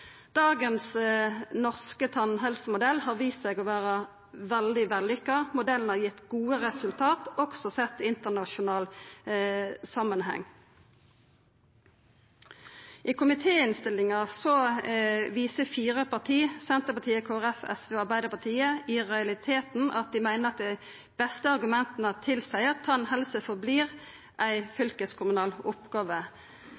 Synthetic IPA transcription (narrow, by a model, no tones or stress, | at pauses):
d̪̥ɑːɡənsnɔʁskət̪ʰɑnɦɛlsəmʊd̪ɛlhɑːʁʋiːst̪sɛɡoːʋæːʁə | ʋɛld̪ɪʋɛlːʏkːɑmʊd̪ɛln̩hɑʁjɪt̪ːɡuːəʁɛsʉlt̪ʰɑːt̪ɔksɔsɛt̪ːɪnt̪ənɑʃʊnɑːl | sɑmənɦɛ̰ŋ | ʔɪkʰʊmɪt̪ʰeːɪnst̪ɪlːɪŋɑsɔ | ʋiːsəfiːʁəpʰɑʁt̪ʰiːsɛnt̪əpɑt̪ʰiːəkʰoːæʁɛfɛ̰sʋeːɑɾbæɪd̪əpɑt̪ʰiːəɪʁɛɑlɪt̪ʰeːt̪n̩ʔɑt̪̚d̪ɪmæɪnəɾɑt̪̚d̪æɪ | b̥ɛst̪əɑɾɡʉmɛnt̪ənət̪ʰɪlsæɪɑt̪ʰːɑːɛnhɛlsəfɔbliːʁ | ʔæɪfʏlkəskʰʊmʉnɑːlʊpɡɑːʋə